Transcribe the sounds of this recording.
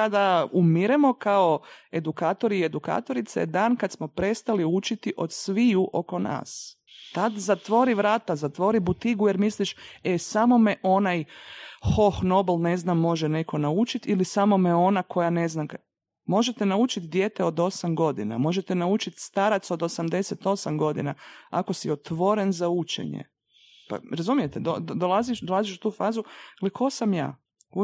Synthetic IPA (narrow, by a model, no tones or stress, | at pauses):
ad̪aumiɾemo̞kaoe̞d̪ukaːt̪o̞ɾie̞d̪uka̰ːt̪o̞ɾit̪sa̰ed̪aːnkad̪smo̞pɾe̞st̪aliut͡ʃit̪iʔo̞d̪sʋijuʔo̞ko̞na̰ːs | t̪ad̪zat̪ʋo̞ɾiʋɾaːt̪azat̪ʋo̞ːɾibut̪iɡujeɾmisliʃesamo̞meʔo̞najxo̞xno̞belˠne̞znamːo̞ʒɛne̞kʰo̞naut͡ʃit̪ilisamo̞meo̞nakʰo̞jane̞znak | mo̞ʒet̪enaut͡ʃit̪d̪jeːt̪eo̞d̪o̞samɡo̞d̪ḭna̰mo̞ʒet̪enaut͡ʃit̪st̪aɾat̪sod̪o̞samd̪e̞set̪o̞samɡo̞d̪ḭna̰ako̞siot̪ʋo̞ɾe̞nzaut͡ʃḛɲḛ | pa̰ɾazumijet̪ed̪od̪olaziʃd̪o̞lˠaziʃu̥t̪uːfaːzuɡleekʰo̞samja̰ː | k